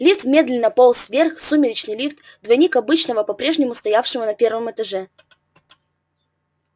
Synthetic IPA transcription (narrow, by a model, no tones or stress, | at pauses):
lʲift̪vmʲe̞d̪lʲɪnːəpolˠsvʲerxsumʲɪɾʲɪt͡ɕnɨjlʲift̪ | d̪vɐnʲikɐbɨt͡ɕnəvəpɐpɾʲe̞ʐnʲɪmʊst̪ɐjafʂɨvənɐpʲe̞rvəmɨt̪ɐʐɛ